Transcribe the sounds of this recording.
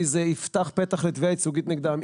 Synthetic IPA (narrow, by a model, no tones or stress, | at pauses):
izeift̪aχpeɛt̪aχlɛt̪vejait͡suɡit̪niɡd̪am